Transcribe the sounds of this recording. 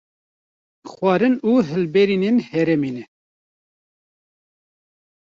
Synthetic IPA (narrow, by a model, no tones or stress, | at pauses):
xwɑːɾɨnuːɦɨlbɛɾinenhɛɾɛmeːnɛ